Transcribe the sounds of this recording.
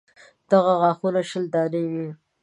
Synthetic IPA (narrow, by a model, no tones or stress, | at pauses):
d̪̥aɣaɣɑːxunaʃəld̪ɑːɾiwi